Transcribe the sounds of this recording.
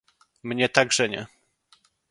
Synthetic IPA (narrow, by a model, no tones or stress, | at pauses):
mɲɛt̪aɡʐɛɲɛ̰